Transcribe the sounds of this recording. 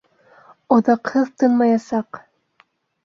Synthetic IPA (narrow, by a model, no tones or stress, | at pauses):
oðɑqhɤðt̪ɤnmɑjɑsɑq